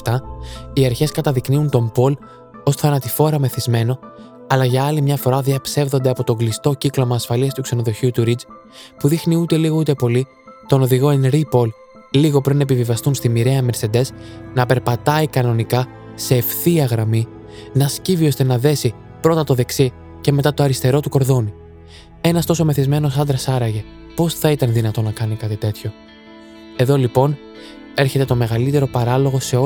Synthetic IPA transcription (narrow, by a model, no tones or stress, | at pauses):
ft̪ɐiɐɾçe̞skɐt̪ɐðikniunt̪o̞mbo̞l | osθɐnɐt̪ifo̞ɾɐme̞θizme̞no̞ | ɐlɐʝɐɐlimɲɐfo̞ɾɐðiɐpse̞vðo̞nd̪eɐpo̞t̪o̞ŋɡlist̪o̞ciklo̞mɐːsfɐliɐst̪ukse̞no̞ðo̞çiut̪uɾid͡z | puðixniut̪e̞liɣo̞ut̪e̞po̞li | t̪o̞noðiɣo̞enɾipo̞l | liɣo̞pɾinɐepivivɐst̪unst̪imiɾe̞ɐme̞ɾse̞d̪e̞snɐpe̞ɾpɐt̪ɐikɐno̞nikɐ | se̞ːfθiɐɣɾɐmi | nɐscivio̞st̪e̞nɐðe̞si | pɾo̞t̪ɐt̪o̞ðe̞ksi | ce̞me̞t̪ɐt̪o̞ɐɾist̪e̞ɾo̞t̪uko̞ɾðo̞ni | e̞nɐst̪o̞so̞me̞θizme̞no̞sɐnd̪ɾɐsɐɾɐʝe̞ | po̞sθɐit̪ɐnðinɐt̪o̞nɐkɐnikɐt̪it̪e̞t̪ço̞ | e̞ðo̞lipo̞n | e̞ɾçe̞t̪et̪o̞me̞ɣɐlit̪e̞ɾo̞pɐɾɐlo̞ɣo̞se̞o